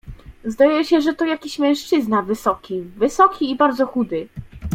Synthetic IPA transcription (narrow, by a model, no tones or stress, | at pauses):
zd̪ajɛɕɛʐɛt̪ɔjakʲiɕmʲɛ̃ʂt͡ʂɘznavɘsɔkʲivɘsɔkʲiːbaɾd̪zɔxud̪ɘ